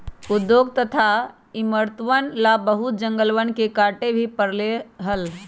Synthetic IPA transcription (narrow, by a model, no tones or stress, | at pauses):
ʊd̪joɡ̚t̪ət̪ʰa | ɪməɾt̪ʋənlabəɦut̪̚d͡ʒə̃ŋɡəlʋənkekaːʈebʱipəɾleɦəl